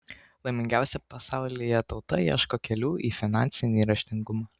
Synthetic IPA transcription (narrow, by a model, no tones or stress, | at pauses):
lˠɐɪmʲɪŋʲɡʲæˑʊsʲɛpɐsɑˑʊlʲɪjɛt̪ɒʊt̪ɐjḭɛʃkoːkʲɛlʲuːʔiːfʲɪnɑnʲt̪sʲɪnʲiːɾɐʃʲt̪ʲɪŋɡʊmɑː